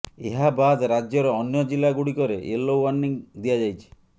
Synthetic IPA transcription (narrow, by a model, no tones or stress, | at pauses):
eɦabad̪ɾad͡ʒjɔɾɔːnjɔd͡ʒilːaɡuɽikɔɾeʔelːowwaɾniŋd̪ijad͡ʒajt͡ʃʰi̥